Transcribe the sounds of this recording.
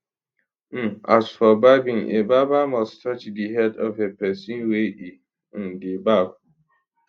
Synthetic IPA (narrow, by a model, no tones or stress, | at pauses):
m̩ʔasfɔbaɪbĩŋḛbabamɔstʰʌt͡ʃdiɦɛdɔvepɛsĩnweʔĩ | debaba